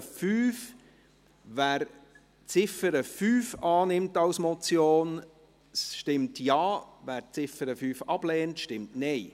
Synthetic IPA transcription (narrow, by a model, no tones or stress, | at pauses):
fyːf | væːɾ | t͡sɪfəɾəfyːfɑːnɪmtɑwsmɔt͡sjoːn | sʃtɪmtjɑːvæːɾt͡sɪfəɾəfyːfɑb̥lɛːntʃtɪmtnɛɪ